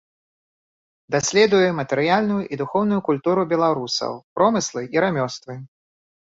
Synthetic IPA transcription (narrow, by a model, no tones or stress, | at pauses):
d̪asʲlʲɛd̪ujɛmɐt̪ɛɾɨjalʲnujuʔid̪uxɔwn̪ujukulʲt̪uɾubʲɛlˠaɾusɐ̰wpɾɔmɨslˠɨʔiɾamʲɔst̪vɨ